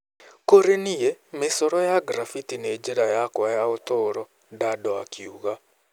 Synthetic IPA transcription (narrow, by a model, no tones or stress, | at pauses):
koɾenijemɪsoɾɔjaɡɾafitined͡ʒeɾajakwajaot̪oɾɔ | dadɔakiuɣa